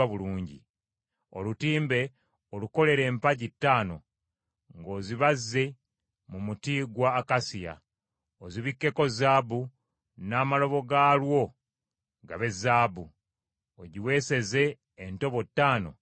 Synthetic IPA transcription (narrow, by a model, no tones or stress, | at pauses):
aβuluːɲɟḭ | o̰lutiːmbe̞ | oluko̞le̞ɾe̞ːmpaɟitːaːno̞ | ŋɡo̞ːziβazːe̞ | mumutiːɡwaːkasija̰ | oziβikːe̞ko̞zaːbu | naːmalo̞βo̞ɡaːlwo̞ | ɡa̰βe̞zaːbu | oɟiwe̞ːse̞ze̞ː | nto̞βo̞tːaːno̞̰